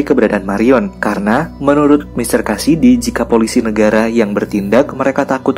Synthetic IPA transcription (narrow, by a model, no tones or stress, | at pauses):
kəbəɾadaːnmaɾiɔnkaɾənamənuɾʊt̪̚mist̪ərkasidid͡ʒikapolisinəɡaɾajaŋbərt̪indak̚məɾekat̪akʊt̪̚